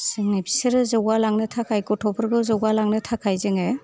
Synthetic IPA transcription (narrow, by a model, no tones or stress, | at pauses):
sɯŋnebisɯɾɯzɔwalaŋnɯtʰakʰajkɔtʰɔbɯɾɡɯzɔwalaŋnɯtʰakʰajzɯŋe